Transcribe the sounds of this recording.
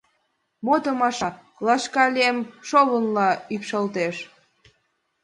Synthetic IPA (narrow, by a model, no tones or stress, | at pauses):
mot̪əmɑʃɑ | lɑʃkɑlʲiemʃoβənlɑypʃəlt̪eʃ